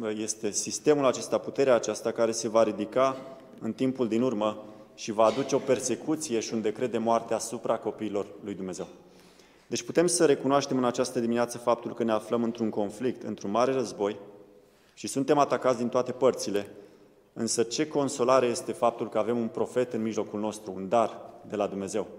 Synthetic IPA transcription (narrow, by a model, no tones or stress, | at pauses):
je̞st̪e̞sist̪e̞mulat͡ʃe̞st̪aput̪e̞ɾeaːt͡ʃast̪akaɾe̞se̞vaɾid̪ika | ɨnt̪impuld̪inurməʃivaːd̪ut͡ʃe̞o̞pe̞rse̞kut̪sije̞ʃiund̪e̞kɾe̞d̪e̞moart̪eaːsupɾako̞piːlo̞rlujd̪umne̞ze̞w | d̪e̞t͡ʃʲput̪e̞msəɾe̞kunoaʃt̪e̞mɨnat͡ʃast̪əd̪imineat̪səfap̚t̪ulkəne̞afləmɨnt̪ɾuŋko̞nflik̚t̪ɨnt̪ɾunmaɾe̞rəzbo̞j | ʃisunt̪e̞mat̪akat̪sʲd̪int̪oat̪e̞pərt̪sile̞ | ɨnsət͡ʃe̞ko̞nso̞laɾeje̞st̪e̞fap̚t̪ulkəave̞munpɾo̞fe̞t̪ɨnmiʒlo̞kulno̞st̪ɾuund̪ard̪e̞lad̪umne̞ze̞w